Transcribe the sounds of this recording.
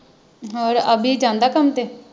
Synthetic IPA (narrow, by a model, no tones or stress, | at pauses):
ɔːɾəbiːd͡ʒãːnd̪aːkəmt̪eː